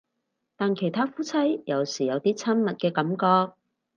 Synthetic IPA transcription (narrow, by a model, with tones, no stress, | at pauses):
t̪aː˨nkʰe˨˩jt̪ʰaː˥fuː˥t͡sʰɐ˥jjɐ˨˩wsiː˨˩jɐ˨˧wt̪iː˥t͡sʰɐ˥nmɐ˨t̚kɛː˧kɐ˨˥mkɔː˧k̚